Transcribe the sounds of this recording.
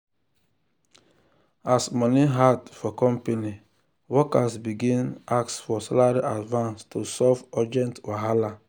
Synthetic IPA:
asmɔniɦadfɔkɔ̃mpeni | wɔkasbiɡĩnaksfɔsalaɹiʔadvãnstʰusɔvɔd͡ʒɛ̃ntwaɦala

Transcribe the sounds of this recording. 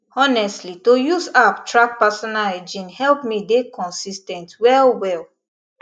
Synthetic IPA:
ɔnɛstlitojuzaptɹak̚pasɔnalɹid͡ʒĩnhɛlpmidekʰɔ̃nsistɛ̃ntwɛlwɛl

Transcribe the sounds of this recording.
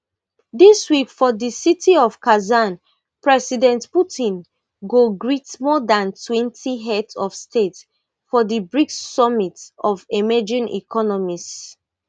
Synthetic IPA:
diswikfɔdisitʰiɔv̥kazan | pɹɛsidɛ̃ntputʰĩn | ɡoɡɹitmɔdãntʰwɛ̃ntʰiɦɛtɔvstet | fɔdibɹiksɔmitɔvemɛd͡ʒĩnḭkʰɔnɔmis

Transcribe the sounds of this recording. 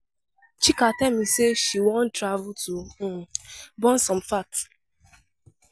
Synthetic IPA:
t͡ʃikatamiseʃiwɔ̃n̩tɾavʊtu | bɔ̃n̩sɔ̃mfakt

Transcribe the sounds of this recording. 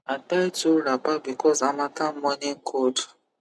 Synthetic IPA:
atajtuɾapabikɔzamakamɔniŋ̩kʰod

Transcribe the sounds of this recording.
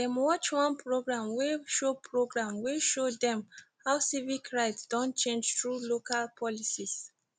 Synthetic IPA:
dɛ̃mwɔt͡ʃwãnpɹoɡɹãmweʃopʰɹoɡɹãmweʃodɛ̃mhawsivikʰɹaɪtsd̥ɔ̃nt͡ʃẽnd͡ʒtɹulokalpʰɔlisis

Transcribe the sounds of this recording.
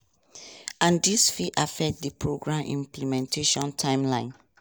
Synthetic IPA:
ãndisfiʔafɛk̚t̚dipʰɹoɡɹãmḭ̃mplimɛ̃ntʰeʃɔ̃ntʰãɪ̃mlãɪ̃n

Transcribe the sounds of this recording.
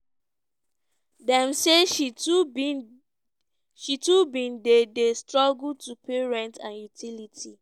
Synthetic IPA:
dɛ̃mseʃ | ʃitubĩndedestɹɔɡultupeɹɛ̃ntã̰njutʰilitʰi

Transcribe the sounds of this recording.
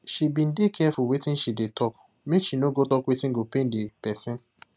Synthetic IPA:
ʃibin̩dekʰɛɛfuwetĩn̩ʃidetɔk | meʃinoɡotɔkwetĩŋ̩ɡopẽn̩depɛsĩn

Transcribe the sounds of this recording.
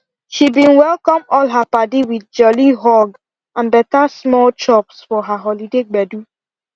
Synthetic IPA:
ʃibĩnwɛlkɔ̃mɔlɦapadiwid̚d͡ʒɔliɦɔɡ | ãnbɛtasmɔlt͡ʃɔpsfɔɦaɦɔlideɡ͡bɛdu

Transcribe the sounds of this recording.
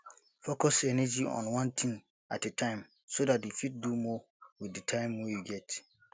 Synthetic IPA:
fokɔsɛnɛd͡ʒiɔ̰̃nwɔ̃ntʰĩŋ | a̰t̚detʰãɪ̃m | sodat̚ufit̚dumɔ | wiθdɨtʰãɪ̃mwɛjuɡɛt

